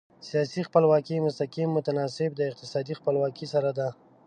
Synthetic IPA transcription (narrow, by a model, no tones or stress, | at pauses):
sijɑsixpəlwɑkimʊst̪aqimːʊt̪anɑsɪb̚d̪əɪq̚t̪ɪsɑd̪ixpəlwɑkisaɾad̪a